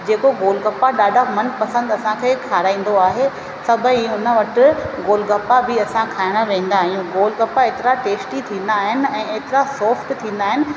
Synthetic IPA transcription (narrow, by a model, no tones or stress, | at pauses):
d͡ʑeːkoɡoːlɡɐpaɗaːɖʱamɐnpɐsə̃nd̪ɐsãkʰeːkʰaːɾaːĩːn̆d̪oaːɦe | sɐbʱəiʊnə̆ʋɐʈɪ̆ɡoːlɡɐpabɪɐsãkʰaːɪɽ̃əʋẽːn̆d̪aːɦijũɡoːlkɐpaeːt̪ɪɾaʈeːsʈit̪ʰĩːnd̪aːɦɪnɪ̆ɛ̃ːeːt̪ɪɾasɔːfʈt̪ʰĩːn̆d̪aːɦɪnɪ̆